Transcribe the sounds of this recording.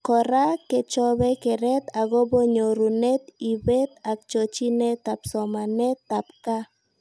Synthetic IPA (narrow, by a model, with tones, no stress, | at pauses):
kɔ˨ɾa˦ke˨t͡ʃɔ˦bɛ˦ke˨ɾɛ˦t̪a˨ɡɔ˦bo˦ɲo˨ɾu˨nɛ˦t̪i˨be˦t̪a˨k̚t͡ʃo˨t͡ʃi˦nɛ˦t̪a˨psɔ˨ma˨nɛ˦t̪a˨p̚ka˦